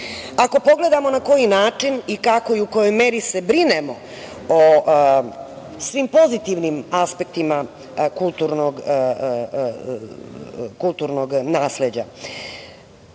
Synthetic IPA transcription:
ako̞po̞ɡle̞d̪amo̞nako̞jinaːt͡ʂinikako̞iukojo̞jmeːɾise̞bɾinemo̞ | o | sʋiːmpo̞zit̪iʋnimaspek̚t̪ima | kult̪uɾnoɡ | kulˠt̪uɾnoɡnaːsled͡ʑa̰

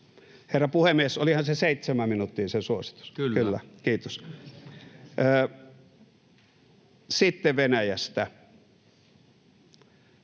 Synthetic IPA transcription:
herːɑpuhemiesolihɑnseseˑit̪semæmminut̪ːiːsensuosi̥t̪u̥skkylːæ̰kiːt̪os | sit̪ːeʋenæjæst̪æ

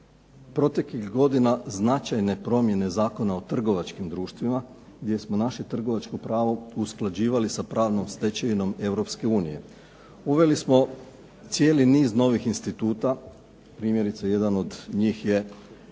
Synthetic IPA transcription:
pɾo̞t̪e̞klixɡo̞d̪inaznat͡ʃajne̞pɾo̞mje̞ne̞zaːko̞nao̞t̪r̩ɡo̞ʋat͡ʃkimd̪ɾuːʃt̪ʋima | ɡd̪je̞smo̞naʃe̞t̪r̩ɡo̞ʋat͡ʃko̞pɾaːʋo̞usklˠad͡ʑiːʋalisapɾaːʋno̞mst̪e̞t͡ɕeʋino̞me̞ʋɾo̞pske̞uːnije̞̰ | uʋe̞lismo̞ | t̪sje̞ːliniːzno̞ʋixinst̪it̪uːt̪a | pɾiːmje̞ɾit̪saje̞d̪ano̞d̪ɲiːxje̞

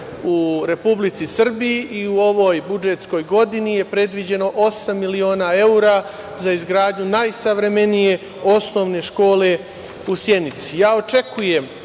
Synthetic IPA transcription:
uɾe̞publit̪sisr̩bijiʔiuo̞ʋo̞ːjbud͡ʒet̪sko̞jɡo̞d̪inije̞pɾe̞d̪ʋid͡ʑe̞no̞ʔo̞samːilio̞ːnae̞uɾa | zaizɡɾaːd̪ɲunajsaʋɾe̞me̞nije̞ | o̞sno̞ʋne̞ʃko̞ːle̞ | usje̞nit̪sijaːo̞t͡ʃe̞kujem

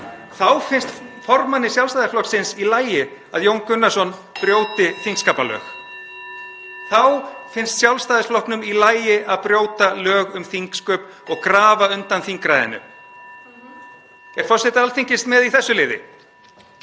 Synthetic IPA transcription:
θawfɪnst̪fɔɾmanːɪsjawlst̪aðɪsflɔk̪sɪnsilaːjɪ | aðjowŋkʏnːasɔn | pɾjoːwt̪ɪθiŋkskaːpalœ̰ːx | θawfɪnst̪sjawlst̪aːðɪsflɔhknʏmilaːjɪʔaðpɾjoːwt̪alœːɣʏmθiŋkskœːp | ɔɣkɾaːvaʏnt̪anθiŋkɾajðɪ̰nːʏ̰ | ɛɾ̥θɔsɛt̪aalθiŋcɪst̪mɛðiθɛsːʏlɪːðɪ̰

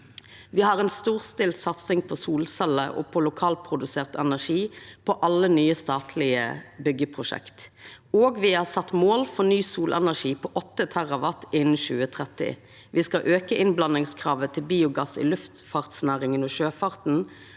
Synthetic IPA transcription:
ʋiːhɑʁɛnst̪uːʁst̪ɪlt̪sɑt̪sɪŋpʰɔsuːlsɛlːəʔo̰ːpʰɔlʊkʰɑːlpʰʁʊd̪ʉseːʁt̪ɛnæʂiːpʰɔʔɑlənyːəst̪ɑːt̪ʰlɪə̰bʏɡəpʰʁʊʃɛ̰kt̪ | oːɡʋɪhɑsɑt̪ːmoːlfɔʁnyːsuːlʔɛnæʂiːpʰɔʔɔt̪ːət̪ʰæʁɑʋɑt̪ɪnn̩ʃʉːət̪ʰʁɛt̪ɪ̰ | ʋɪskɑʔøːkəʔɪnblɑnɪŋskʰʁɑːʋət̪ʰɪlbiːʊɡɑsɪ̰lʉft̪fɑʁt̪snæːʁɪŋənɔːʃøːfɑʁt̪n̩

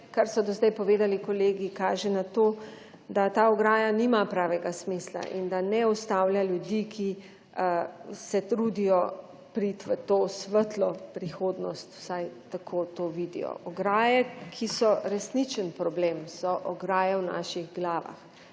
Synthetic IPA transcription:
kaɾsɔd̪ɔzd̪ajpɔʋeːd̪alikɔleːɡikaːʒɛnat̪oː | d̪at̪aːɔɡɾaːjaniːmapɾaːʋɛɡasmisla̰ʔḭnd̪anɛust̪awljaljud̪ikʰi | sɛt̪ɾuːd̪ijɔ | pɾit̪ʋət̪oːsʋət̪lɔpɾixoːd̪nɔst̪w̥sajt̪akʰoːt̪oːʋiːd̪ḭjɔ̰ʔɔɡɾaːjɛkʰisɔɾɛsnit͡ʃənpɾɔbleːmsɔʔɔɡɾaːjɛwna̰ːʃiɣɡlaːʋa̰x

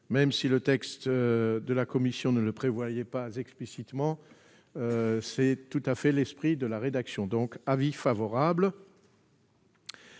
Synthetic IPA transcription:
mɛmsilət̪ɛkst̪d̪əlakɔmisjɔ̃nələpχevwajɛpazɛksplisit̪mɑ̃ | øsɛt̪ut̪afɛlɛspχid̪əlaʁed̪aksjɔ̃d̪ɔ̃kavifavɔʁabl

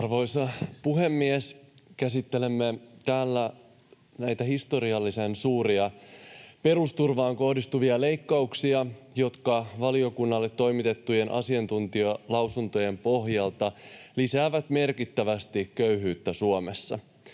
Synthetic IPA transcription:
ɑrʋo̞jsɑpuɦe̞mːieskæsit̪ːe̞lemːet̪æːlːæ | næjt̪æhist̪o̞ɾiɑlːise̞nsuːɾiɑ | pe̞ɾust̪urʋɑːŋko̞hdist̪uʋiɑle̞jkːɑuksiɑ | jo̞t̪kɑʋɑlio̞kunːɑlːe̞t̪ːo̞jmit̪e̞t̪ːuje̞nʔɑ̰siɑnt̪unt̪iølɑwsunt̪o̞je̞mpo̞ɦjɑlt̪ɑlisæːʋæt̪me̞rkit̪ːæʋæst̪ikkøyɦyːt̪ːæsuome̞sːɑ̰

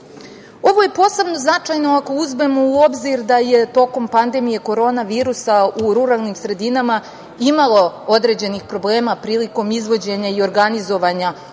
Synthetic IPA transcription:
o̞ʋo̞je̞po̞se̞bno̞znat͡ʂajno̞ako̞uzmemo̞uo̞bziɾd̪aje̞t̪o̞ko̞mpand̪e̞mije̞ko̞ɾo̞ːnaʋiːɾusauɾuɾalˠnimsɾe̞d̪inama | imalˠo̞o̞d̪ɾe̞d͡ʑe̞nixpɾo̞ble̞ːmapɾiːliko̞mizʋo̞d͡ʑe̞ɲaio̞ɾɡanizo̞ʋaɲa

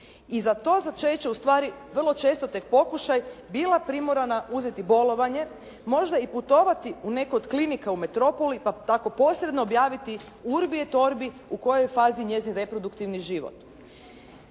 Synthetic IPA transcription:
izat̪o̞ːzat͡ʃet͡ɕeust̪ʋaːɾiʋr̩lˠo̞t͡ʃe̞ːst̪ot̪ek̚po̞kuʃajbilˠapɾimoɾanauzet̪ibo̞lo̞ʋaɲe̞ | mo̞ʒd̪aiput̪o̞ʋat̪iune̞kood̪klinikaume̞t̪ɾo̞po̞lipat̪ako̞po̞ːsɾed̪no̞ːbjaːʋit̪i | uɾbiet̪o̞ɾbi | uko̞jojfaːziɲe̞zinɾe̞pɾo̞d̪ukt̪iʋniʒiʋo̰t̪

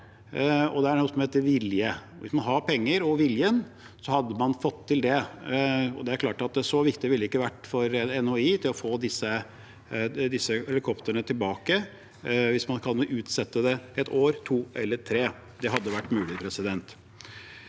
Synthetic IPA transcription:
ɔ̰d̪ɛæɾɳnuːsɔmheːt̪əɾʋɪljə | ʋɪ̰smɑnɦɑɾpʰɛŋːəɾɔʋɪljən | sɔhɑd̪ːəmɑnfɔt̪ʰːɪld̪ɛ | ɔd̪ɛæɾkʰlɑːʈɑt̪̚d̪ɛæʂɔʋɪkt̪ɪʋɪlːəɪkːəʋæʈːfɔɾɛnoiːt̪ʰɪlɔfoːd̪ɪsːə | d̪ɪsːəɛlɪkʰɔpt̪əɳət̪ʰɪlbɑːkə | ʋɪsmɑnkʰɑnʔʉːt̪sɛt̪ːəd̪ɛɛt̪ʰoːɾt̪ʰuːɛlːəʈʰɾeː | d̪ɛɦɑd̪ːəʋæʈːmʉːlɪpʰɾɛsɪd̪ɛnt̪

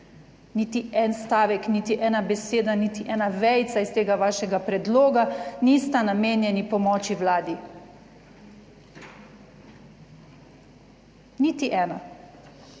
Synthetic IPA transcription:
niːt̪iɛnst̪aːʋɛknit̪iʔɛːnabɛseːd̪anit̪iʔɛːnaʋɛjt̪saist̪eːɡaʋaːʃɛɡapɾɛd̪loːɡanist̪anameːnjɛnipɔmɔːt͡ʃiwlaːd̪i | nit̪iʔɛːna

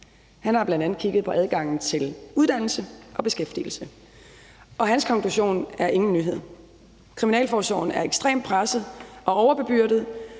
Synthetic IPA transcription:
hænhɑ̈b̥lænd̥ænð̩ˠkʰiɡ̥əð̞̩ˠpʰɒ̽ʔæð̞ˠɡ̥ɑ̈ŋ̰n̩t͡sʰe̝luð̞ˠd̥æn̰l̩səʔɒ̽b̥e̝sɡ̥efd̥il̩sə | ʔɒ̽ɦænskʰɒ̽ŋkʰluɕo̝̰ːnæɐʔe̝ŋn̩ːyɦe̝ð̰ˠ | kʰʁiminɛ̰ːlfɒːsɒ̰ʊn̩æɐeɡ̥sd̥ʁḛːmd̥̚pʰʁasð̞̩ˠʔɒ̽ɒʊɐb̥e̝b̥yɐ̰d̥ð̞̩ˠ

